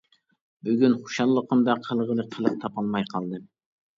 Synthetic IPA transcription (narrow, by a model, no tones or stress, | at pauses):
byɡʲynχu̥ʃɑlˠːəqʰəmd̪ɑqʰəlˠʁəlˠəqʰəlˠəq̚t̪ʰɑpɑlˠmɑjqʰɑlˠd̪ɨm